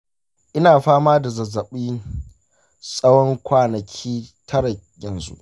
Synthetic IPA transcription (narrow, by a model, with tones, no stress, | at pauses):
ʔɪ˦naː˨ɸaː˦maː˦da˨zɐ˨zːɐ˨ɓiː˦ | sʼɐ˦wɔ˦ŋkʷaː˦nɐ˨kʲʰiː˦tʰɐ˦ɽa˨jɐ˨nzṵ˦ʔ